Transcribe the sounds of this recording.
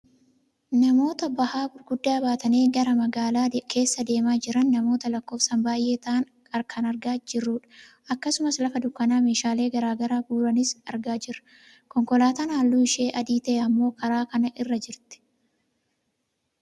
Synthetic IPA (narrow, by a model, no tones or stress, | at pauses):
nɐmo̞ːt̪ɐbɐhaːbʊɾɡʊd̪ːaːbaːt̪ɐneːɡɐɾɐmɐɡaːlaːkʰe̞ːsːɐd̪e̞ːmaːd͡ʒɪɾɐnːɐmo̞ːt̪ɐlɐkːo̞ːfsɐmbaːjʔe̞ːt̪aːn | kʼɐɾkʰɐnɐɾɡaːd͡ʒɪrːuːᶑɐ̥ | ɐkːɐsʊmɐslɐfɐd̪ʊkːɐnaːme̞ːʃaːle̞ːɡɐɾaːɡɐɾaːbuːɾɐnɪsɐ̰ɾɡaːd͡ʒɪɾɐ̥ | kɔŋkɔlaːt̪anaːlːuːɪʃe̞ːʔɐd̪iːt̪ɐʔɛɐmːo̞ːkɐɾaːkɐnɐʔɪrːɐd͡ʒɪɾt̪ɪ̥